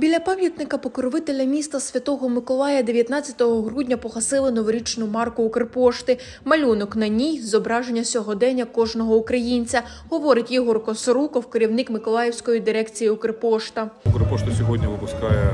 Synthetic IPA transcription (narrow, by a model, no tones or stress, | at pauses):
bʲilʲɐpɑmʲjɐt̪nɪkɐpɔkɔɾɔʋɪt̪elʲɐmʲist̪ɐsʲʋʲɐt̪ɔɦɔmɪkɔlˠɑjɐd̪e̞ʋʲjɐt̪nɑt͡sʲːɐt̪ɔɦɔɦɾudʲnʲɐpɔxɐsɪlˠɪnɔʋɔɾʲit͡ʃnʊmɑrkʊːkɾepɔʃt̪ɪ | mɐlʲunɔknɐnʲijzɔbɾɑʒenʲːɐsʲɔɦɔd̪ɛnʲɐkɔʒnɔɦɔʊkɾɐjinʲt͡sʲɐ | ɦɔʋɔɾɪtʲjiɦɔrkɔsɔɾukɔwkeɾʲiwnɪkmɪkɔlˠɑjɛwsʲkɔjid̪ɪɾɛkt͡sʲijiʊkɾepɔʃt̪ɐʊkɾepɔʃt̪ɐsʲɔɦɔdʲnʲɐʋɪpʊskɑjɛ